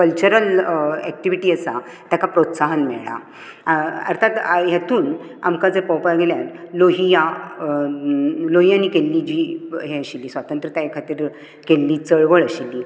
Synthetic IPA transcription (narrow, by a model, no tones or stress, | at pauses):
kəlt͡ɕuɾəlɛk̚ʈiʋiʈiːəsa | t̪jakapɾot̪saɦənmɛ̰ɭɭa̰ | ə̰ɾt̪ʰat̪jat̪ʰuːn | a̰mkad͡zepəwpaɡeljat̪loɦija | loɦijãnikelːid͡ʑiːɦeəɕilːiːsʋat̪ənt̪ɾət̪aekʰat̪iːɾ | kelːit͡səɭʋəɭəɕilːiː